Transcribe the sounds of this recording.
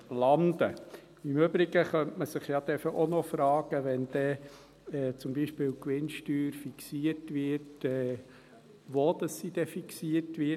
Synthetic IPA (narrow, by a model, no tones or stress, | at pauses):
lɑnd̪ə | ɪmøbɾɪɡ̥əχœntməsɪχjɑd̪ɛfəʔonɔfɾɑːɡ̥əʋɛnd̥ɛ | ɛːt͡sʊmbiːʃpɪːlkʋɪnʃtyːɾfiksiəɾtʋɪɾtɛː | ʋod̥̪ɑsːid̥̪ɛfiksiətʋɪ